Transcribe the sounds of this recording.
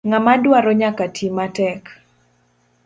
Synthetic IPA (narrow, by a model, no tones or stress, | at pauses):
ŋamadwaɾɔɲakatʰimatɛk